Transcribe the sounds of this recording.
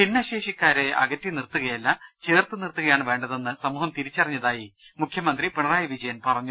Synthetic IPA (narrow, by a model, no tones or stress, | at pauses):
pinːɐɕe̞ːʂikʲːaːɾe̞ɐ̰ɣɐtːinirt̪ːuɣɐjɐlːɐt͡ɕe̞ːrt̪ɨnirt̪ːuɣɐjaːɳɨʋe̞ːɳɖɐðe̞nːɨsɐmuːhɐmt̪iɾit͡ɕːɐrɐɲːɐðaːjimukʰjɐmɐnd̪ripeɳɐraːjɐʋid͡ʑɐjɐnpɐrɐɲːu